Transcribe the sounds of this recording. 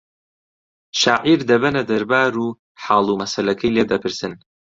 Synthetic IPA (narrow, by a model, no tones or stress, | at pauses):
ʃaːʕiɾd̪ɐbɐnɐd̪ɐɾbaːɾuː | ħɑːlˠumɐsɐlɐkʰɐjleːd̪ɐpʰɨɾsɨn